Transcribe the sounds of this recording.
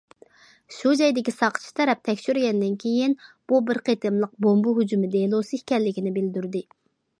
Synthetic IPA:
ʃud͡ʒɛjd̪ɪkʲisɑqʰə̥t͡ʃʰi̥t̪ʰɛɾɛp̚t̪ʰɛkʲʃyɾɡʲɛnd̪ɪnkʲʰejinb̥ubɪɾqʰet̪ɨmlˠəq̚bombuɦud͡ʒumɪd̪elˠosɨhkʲɛlːɪkʲinɪbɪld̪yɾd̪ɪ

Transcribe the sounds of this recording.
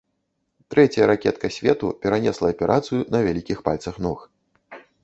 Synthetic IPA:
t̪ɾɛt͡sʲjɐɾakʲɛt̪kɐsʲvʲɛt̪upʲɛɾanʲɛslˠɐːpʲɛɾʔat̪sɨjunɐvʲalʲikʲixpalʲt̪sɐxnɔx

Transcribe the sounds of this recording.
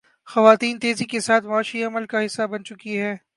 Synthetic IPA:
xɐʋaːt̪iːnt̪eːzikesaːt̪ʰmaːʃiɐməlkaɦɪsːabɐnt͡ʃʊkiɦɛː

